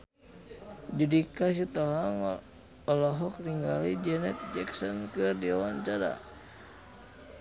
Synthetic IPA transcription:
d͡ʒudikas̬it̪ɔɦaŋ | ɔlɔɦɔk̚riŋɡalid͡ʒɛnɛt̪̚d͡ʒɛksɔnkɨrdiɔwant͡ʃaɾa̰

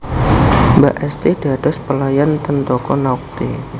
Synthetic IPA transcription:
baʔɛst̪ediadaspəlajant̪ənt̪ɔkɔnauk̚t̪ḛ

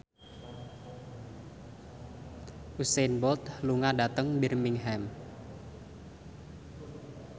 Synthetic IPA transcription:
ʔusɛnbɔt̪luŋadat̪əŋbirmiŋɦɛm

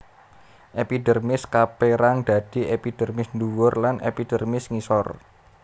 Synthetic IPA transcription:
ʔepidərmɪskapeɾaŋd̪̥a̤d̥i̤ʔepid̥ərmɪsnduwʊrlanḛpid̥ərmɪsŋisɔr

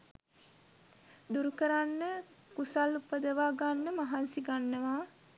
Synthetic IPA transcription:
d̪uɾukəɾanːə | kusalupːəd̪əʋaːɡanːəmaɦansiɡanːəʋaː

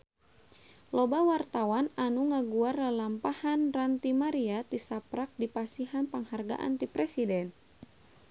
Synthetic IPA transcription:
lɔbawart̪awananuŋaɡuarlalampahanrant̪imaɾiat̪isapɾak̚dipasiɦanpaŋharɡa̰ʔa̰nt̪ipɾɛsidɛn

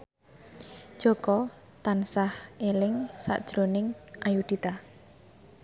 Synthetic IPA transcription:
ʒ̥ɔ̤kɔ | t̪ansahelɪŋsa̰ʔd̥ʒ̥ɾonɪŋʔajud̪̥it̪a

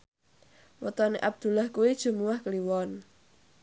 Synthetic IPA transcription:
wɔt̪ɔneʔab̚d̪̥ṳlahkuwid̥ʒ̥ṳmuwahkəliwɔn

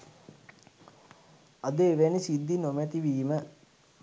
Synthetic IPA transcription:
ad̪eːʋenisid̪ːinomɛt̪iʋiːmə

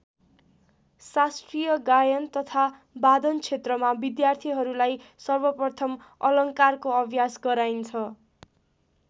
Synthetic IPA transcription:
sasʈrijʌɡajʌnt̪ʌt̪ʰa | bad̪ʌnt͡sʰet̪rʌmabid̪jart̪ʰiɦʌɾulajsʌrbʌprʌt̪ʰʌm | ʌlʌŋkarkoʌbʱjasɡʌɾajnt͡sʰʌ

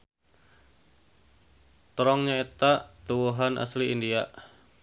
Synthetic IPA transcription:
t̪ɾɔŋɲaet̪aʔt̪uwuɦanʔa̰sliindiaʔ

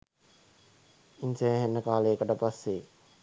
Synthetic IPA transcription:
inseɦenːəkaːləjəkəʈəpasːe

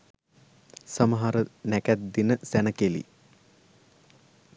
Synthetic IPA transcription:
sɐmɐɦaɾənækæt̪̚d̪inəsænəkelḭ

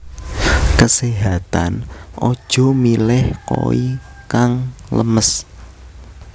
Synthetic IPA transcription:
kəseɦat̪a̰nʔɔd̥ʒ̥ɔ̤milɛhko̰i | kaŋləməs

